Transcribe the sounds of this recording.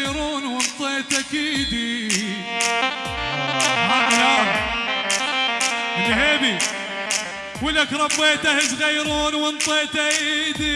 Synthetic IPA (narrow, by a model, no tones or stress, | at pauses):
ɾuːnwɪnt̪ˤeːt̪akiːd̪i | maʔlaːw | ɪlːheːbi | wɪlakɾˤɑbːeːt̪ahɪsɣajɾuːnwɪnt̪ˤeːt̪aʔʔid̪i